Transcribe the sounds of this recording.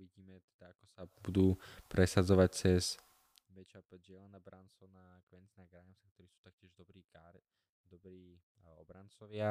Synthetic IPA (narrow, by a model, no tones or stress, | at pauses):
uʋiɟiːmɛt̪ɛd̪̥aakɔsabud̪uːpɾʔɛsad͡zɔʋac̚t͡sɛz | mɛt͡ʃapʒɪɛlɛnabɾʔansɔna | kʋɛnt͡sinaɡɾajɛmsakt̪ɔɾiːsu̥ːt̪ak̚cɪɛʒd̪ɔbɾiːka | d̪ɔbɾiːɔ̰bɾant͡sɔʋɪa